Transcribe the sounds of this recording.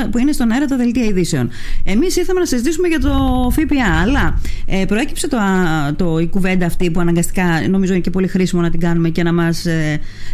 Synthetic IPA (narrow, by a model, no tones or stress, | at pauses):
puinest̪o̞nɐeɾɐt̪ɐðe̞lt̪iɐiðise̞o̞ne̞misiɾθɐme̞nɐsizit̪isumeʝɐt̪o̞fipiɐːlɐepɾo̞e̞cipse̞t̪ot̪o̞ikuve̞nd̪ɐːft̪ipuɐnɐŋɡɐst̪i̥kɐno̞mizo̞inece̞po̞lixɾisimo̞nɐt̪iɡɐnume̞ce̞nɐmɐse